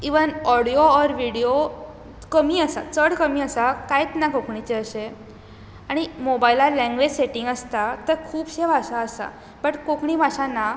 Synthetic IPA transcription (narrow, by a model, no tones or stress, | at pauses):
iʋənɔɽijoɔɾʋiɽijo | kəmiːəsa̰t͡səɽkəmiːəsakajet͡snakokɳit͡ɕeəɕe | aɽ̃imobailalɛ̃ŋɡʋed͡ʑseʈĩŋɡəst̪at̪əɾkʰuːbɕeʋasaəsa̰ | bəʈkokɳiːbʱaɕana